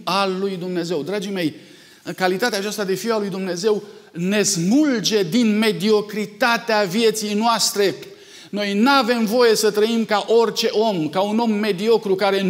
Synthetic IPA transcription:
alːujd̪umne̞ze̞wd̪ɾad͡ʒime̞j | kalit̪at̪eaːt͡ʃast̪ad̪e̞fiwalujd̪umne̞ze̞w | ne̞smuld͡ʒe̞d̪inme̞d̪io̞kɾit̪at̪eavije̞t̪sijnoʊast̪ɾe̞ | no̞jnave̞mvo̞je̞sət̪ɾəimkaʔo̞rt͡ʃe̞ʔo̞mkauno̞mːe̞d̪io̞kɾukaɾe̞

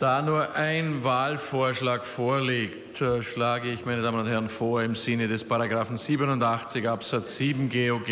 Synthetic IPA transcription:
d̥aːnuːɐʔaɪnvaːlfoːɐʃlaːkfoːɐleːktʰɛʃlaːɡəɪçmaɪnədaːmənʊnthɛʁnfoːɐɪmz̥ɪnədɛspaʁaɡʁaːfn̩z̥iːbənʊndaχt͡sɪçʔapsat͡sz̥iːbm̩ɡeoɡ

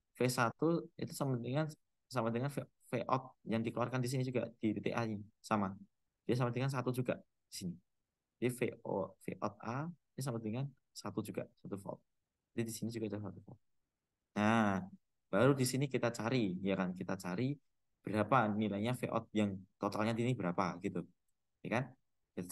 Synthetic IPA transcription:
fesat̪uḭt̪usamadəŋan | samadəŋanfe | feʔɔ̰t̪̚jaŋdikəluarkandis̬inid͡ʒuɡa̰ʔd̥ipet̪eʔaɲisama | d̥ias̬amad̪əŋans̬at̪ud͡ʒuɡaʔ | d̥isini | d͡ʒadifefḛʔɔ̰t̪̚ainis̬amadəŋan | sat̪ud͡ʒuɡaʔsat̪ufɔ̰ɔ̰t̪̚ | adidisinid͡ʒuɡadalasat̪ufɔ̰t̪̚ | na | b̥aɾudisinikit̪at͡ʃaɾijakankit̪at͡ʃaɾi | b̥əɾapanilajɲafḛʔɔ̰t̪̚jaŋt̪ot̪alɲad̪inibəɾapaɡ̥it̪u | jakan | kit̪a

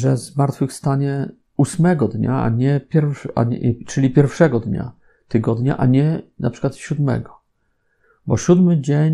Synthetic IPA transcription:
ʐɛzmaɾt̪fɘxst̪aɲɛ | usmɛɡɔd̪ɲa̰a̰ɲɛpʲjɛɾfʂa̰t͡ʂɘlʲipʲjɛɾfʂɛɡɔd̪ɲa̰ | t̪ɘɡɔd̪ɲa̰ʔaɲɛnʔapʂɘ̥kwat̪ɕud̪mɛ̰ɡɔ | bɔɕud̪mɘd͡ʑeɲ

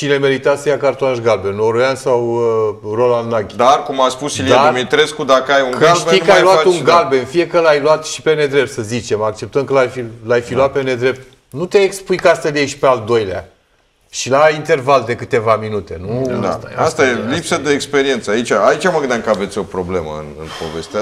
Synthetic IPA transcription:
ʃine̞me̞ɾit̪asəjakart̪onaʃɡalbe̞noɾojansawəro̞land̪naɡʲd̪arkumaspusiljd̪eamit̪ɾeskud̪akəajuŋkɨalʃt̪ijkəajluat̪uŋɡalbe̞nfie̞kəlajluat̪ʃi̥pe̞ne̞d̪ɾe̞p̚t̪səzit͡ʃe̞mak̚t͡ʃe̞p̚t̪ənkəlajfillajfiluat̪̚pe̞ne̞d̪ɾe̞p̚t̪̚ | nut̪eaekspujkast̪əljejʃi̥pe̞ald̪o̞jlea̰ | ʃilaint̪e̞rvald̪e̞kɨt̪e̞vaminut̪e̞nua̰t̪a̰ast̪ajelipsəd̪eːkspe̞ɾie̞nt̪səait͡ʃaːit͡ʃaməɡɨnd̪aŋkəavet̪sʲo̞pɾo̞ble̞mə̰ɨ̰nɨ̰npo̞̰ve̞st̪ea

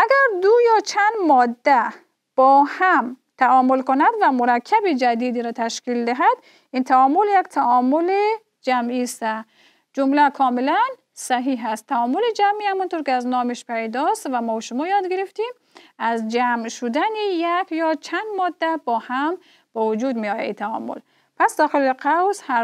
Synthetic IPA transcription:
ʔaɡæɾd̪ujɔt͡ʃʰand̪mɔd̪ːæ | b̥ɔːhamt̪ʰaɔmʊlkʊnad̪vamuɾakʰːabid͡ʒad̪id̪iɾɔt̪ʰaʃkild̪ɪɦad̪ | int̪ʰaɔmuljakt̪ʰaɔmuli | d͡ʒamist̪a | d͡ʒumlakʰɔːmilan | saɦiɦæst̪ʰːaɔmʊlid͡ʒamihamunt̪oɾkiaznɔːmiʃpajd̪ɔst̪vamɔʃʊmɔjɒd̪ɡiɾift̪im | azd͡ʒamʃud̪anijakjɔt͡ʃʰand̪mɔd̪ːab̥ɔːham | b̥ɔvud͡ʒud̪miɔja̰it̪ʰaɔ̰mʊ̰l | pʰasd̪ɔːxiliqʰawsha

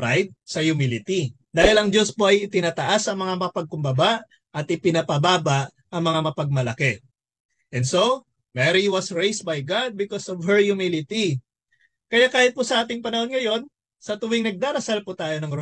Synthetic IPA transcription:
pɾajd̪̚sɐjʊmilɪt̪i | d̪aːhɪlɐŋd͡ʒo̞spo̞ʔɐjɪt̪ɪnaːt̪ɐʔasɐŋmɐŋamɐpɐɡ̚kʊmbɐbaʔ | ʔɐt̪ʔɪpɪnɐpɐbaːbɐʔ | ʔɐŋmɐŋamɐpɐɡ̚mɐlɐkɛ | ʔɛ̃nd̪so̞ | mɛɾiwɐsɹejs̚bajɡad̪̚bɪkosovhɛɹjʊmilɪt̪i | kɐjakaːhɪt̪̚pʊsɐʔaːt̪ɪŋpɐnɐho̞nŋɐjo̞n | sɐt̪ʊwɪŋnɐɡ̚d̪aːɾɐsalput̪aːjo̞nɐŋɾo

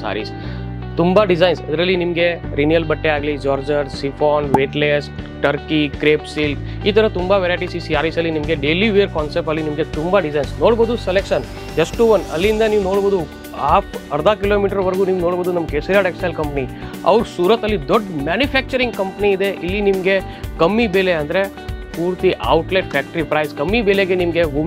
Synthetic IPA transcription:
sa̰ːɾḭːs | t̪umbaɖɪzaːɪnsɐ̰d̪ɾəlinimɡeɾinjəlbɐʈːeaːɡlid͡ʒɔːɾd͡ʒəɾsifʰoːnʋeːʈlesʈəɾkikɾeːpsilʈ | iːt̪ɐɾət̪umbaʋeːɾajʈisisiaːɾisɐlinimɡeɖeːliʋeːɾkɔːnsep̚ʈəlinimɡet̪umbaɖɪzaːɪnsnoːɽbəd̪uselekʃən | d͡ʒɐsʈʈuʋɐnɐ̰lːiind̪ɐniːʋnoːɽboːd̪u | haːpʰɐɾɐd̪ʱaːkiloːmiːʈɐɾʋɐɾɡuniːʋnoːɽboːd̪unɐmːɐkesɐɾjaːɽeksalkɐmpɐniɐ̰ʋɐɾsuːɾɐt̪ɐlːid̪oɖːmaːnjupʰæːk̚t͡ʃɐɾiŋɡkɐmpɐniːd̪e̞ʔilːinimɐɡe̞ | kɐmːibeːleɐnd̪ɐɾe̞ | puːɾt̪iʔɐwʈleʈ̚pʰæːk̚ʈɾipɾɐjskɐmːibeːleɡenimɐɡeʋum

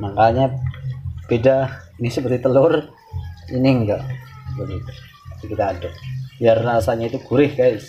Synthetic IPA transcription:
maŋkaɲa | pedainisəpərt̪it̪əlʊr | inɪŋɡabəɡit̪u̥ | asikit̪aːdaʔjarːasaɲait̪uɡ̥uɾɪhɡajs

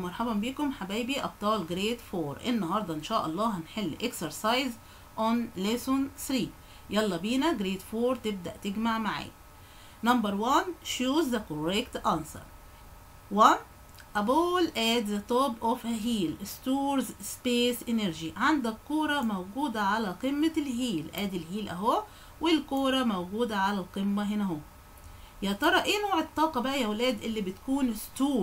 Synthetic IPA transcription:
mɑɾˤħabɑmbiːkʊmħabiːbiʔɑb̚t̪ˤɑːlɡɾeːt̪foːɾʔḛnːɑhɑɾˤd̪ˤɑʔɪnʃæːʔɑlˤːɑːhænħelːʔeksɑɾsɑjz | ʔonlesonθɾiː | jɑlːɑbiːnæɡɾeːt̪foːɾˤt̪ɪb̚d̪æ̰ʔt̪ɪɡmaʕmaʕa̰ː | nɑmbɑɾˤwanʃuːzækoɾekt̪ʔansɑ̰ɾˤ | wan | ʔæbuːlʔæːd̪zæt̪ˤobʔofɦiːlst̪uːɾzspeːsʔeneɾʒiʕand̪ækqːuːɾˤɑmæwɡuːd̪æʕalæqɪmːælɦiːlʔæːd̪ɪlɦiːlʔæɦo | wɪlkoːɾˤɑmæwɡuːd̪æʕalælqemːæɦɪnæɦo | jæt̪ˤɑɾˤɑʔeːnoːʕet̪ˤːɑːqɑbæʔjæwlæːd̪ʔɪlːibɪt̪kuːnst̪uː

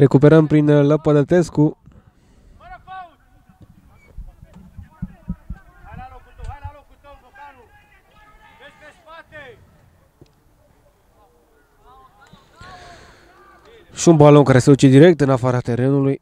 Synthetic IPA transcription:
re̞kupe̞ɾəmpɾinləpəd̪ət̪esku | ʃiunbalo̞nkaɾe̞sed̪ut͡ʃed̪iɾe̞k̚t̪ɨnafaɾat̪e̞ɾe̞nuluj

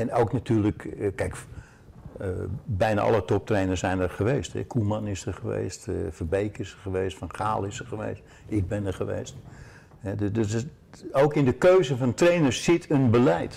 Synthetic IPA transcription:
ɛnoːknatʰyːrləkkɛjk | bɛjna̰ʔɑ̰lˠətɔp̚treːnərsɛjnərχəʋeːstɛ̰kʰumanɪsdərχəʋḛːstfərbejkɪsərχəʋeːstfɑnχa̰ːlˠɪsərχəʋḛːst | ɪɡ̚bɛnərχəʋḛːst | hɛdd | oːkɪndəkøːzənfɑ̃ntrejnərssɪtʰənbəlɛjt

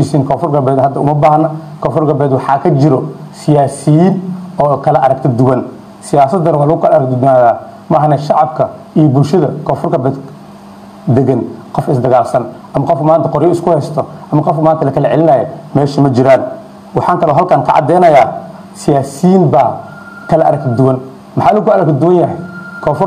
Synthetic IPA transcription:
isiːŋkʰɔːfʊrɡɐbɛːd̪ɦɐd̪ːɐʊ̰mɐbaːhɐnːɐkʰɔːfʊrɡɐbɛːd̪wɑħɑːkʰɐt͡ʃɪɾɔsɪjaːsijinɔːkʰɐlɐʔɐɾɐk̚t̪ʰɐd̪ʊwɐn | sɪjaːsɐd̪ːɐɾwaːlɐɣʊkʰɐlɐɐɾɐk̚t̪naːðaː | mɐʔːɦɐnɛʃɑʕɑb̚kʰɐ | ijɔbʊlʃɐðɐkʰɔːfʊrɡɐbɛːd̪ | d̪ɛɣɐnqɔfɪsd̪ɐɣaːlsɐn | ʔɐmɐqɔfmaːnt̪ʰɐqɔɾjɔɪskʰʊhɛːst̪ʰɔʔɐmɐqɔfkmaːnt̪ʰɐlɐkʰɐlɛʕɛlɪnɐjɛmɛːʃɐmɐt͡ʃɪɾaːn | wɑħɑːnt̪ʰɐlɔɦɐlkʰaːnkʰɐ̰ʕɑ̰d̪ɛːnɐjaː | sɪjaːsijiːnba | kʰɐlɐʔɐ̰ɾɐk̪d̪ʊwɐn | mɐħɑːlʊɣʊkːɐɾɐk̪d̪ʊwɐnjɐɦɛjkʰɔːfʊr

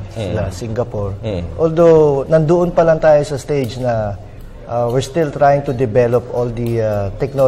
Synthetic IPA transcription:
sɪlasiŋɡɐpoɹʔold̪ownɐnd̪ʊʔonpɐlɐŋt̪aːjosɐst̪ejd͡ʒnɐ | ʔawɪɹst̪ɪlt̪ɾajɪŋt̪ʊd̪ɪbɛlopʔold̪ɐt̪ɛk̚no

